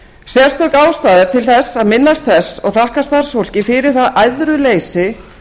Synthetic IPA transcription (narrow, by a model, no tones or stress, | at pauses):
sjɛ̥st̪œkaːwst̪aːðɪɾ̥t̪ʰɪlθɛsːaðmɪnːast̪̚θɛsːɔɣθahkast̪aɾ̥sfowl̥cɪfɪɾɪɾ̥θaðajðɾʏleːjsɪ